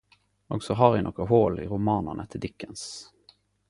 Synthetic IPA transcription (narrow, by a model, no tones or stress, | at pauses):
ɔɡsɔɦɑɾɪnɔ̰kəɦoːlɪ̰ɾʊmɑːnənʔə̰t̪ʰɪd̪ɪkːəns